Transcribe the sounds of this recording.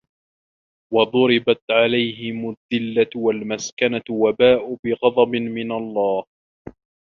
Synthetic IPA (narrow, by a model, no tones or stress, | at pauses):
wɑðˤʊɾɪbat̪ʕalajɦɪmʊðːɪlːawalmaskanawabaːʔʊbɪɣɑd̪ˤɑbɪmɪnalˤːɑːh